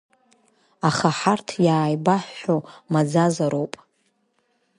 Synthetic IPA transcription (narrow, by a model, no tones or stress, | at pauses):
aχaħartʰjaːjbaħʷːomad͡zazaɾowpʼ